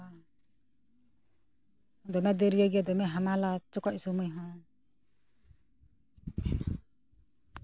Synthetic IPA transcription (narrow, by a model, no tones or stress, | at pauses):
d̪ɔmɛd̪əɾijaɡad̪ɔmɛɦamalat͡ʃɔkɔc̚sɔmujɦɔ̃ | na